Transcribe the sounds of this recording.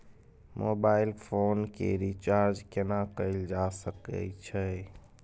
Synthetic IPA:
mobailpʰonkḛɾit͡ʃaɾd͡ʒkenakəɪld͡ʒasəkə̰t͡ʃʰɛ

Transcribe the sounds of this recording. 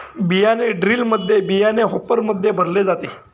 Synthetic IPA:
bijaneɖɾiːlməd̪ʱːjebijaneɦopəɾməd̪ʱːjebʱəɾled͡zat̪e

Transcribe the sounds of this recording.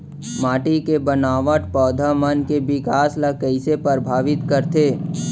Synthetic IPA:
maːʈikebənaːʋəʈpɔːd̪ʱamənkebɪkaːsləkəɪsepəɾbʱaːʋɪt̪kəɾt̪eː

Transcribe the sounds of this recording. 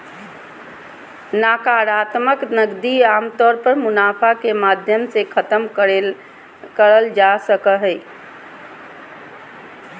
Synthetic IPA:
naːkaːɾaːt̪məknəɡd̪iaːmt̪ɔːɾpəɾmʊnaːpʰakemaːd̪ʱjəmsekʰət̪əm | kəɾəld͡ʒasəkəɦɛ

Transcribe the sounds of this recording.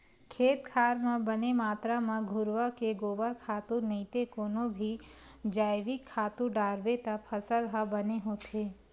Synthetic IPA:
kʰeːt̪kʰaːɾmẽbənemaːt̪ɾamãɡʱʊɾʋəkeɡoːbəɾkʰaːt̪uɾnɐit̪ekoːnõbʱi | d͡ʒaːɪʋɪkʰːaːt̪uɾɖaːɾbet̪apʰəsəlɦabɐneɦoːt̪ʰeː

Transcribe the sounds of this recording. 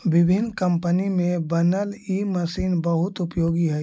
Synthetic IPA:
ʋɪbʱɪnːkɐ̃mpənimẽbɐnəlimɐsiːnbɐɦʊt̪ʊpjoːɡiɦɛ

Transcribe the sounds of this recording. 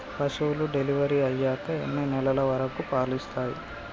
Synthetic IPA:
pɐsuwluɖe̞liʋɐɾiɐjːaːkɐenːɐnɛlɐlɐʋɐɾɐkupaːɾlist̪aːjḭ

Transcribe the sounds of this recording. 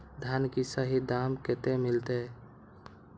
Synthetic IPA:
d̪ʱankisəɦid̪amket̪emilt̪e

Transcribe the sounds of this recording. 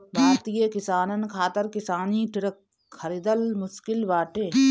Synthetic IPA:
bʱaːt̪ijeːkɪsaːnɐnkʰaːt̪ɐɾkɪsaːniːʈɪɾɐk | kʰːɐɾid̪ɐlmʊʃkɪlbaːʈeː

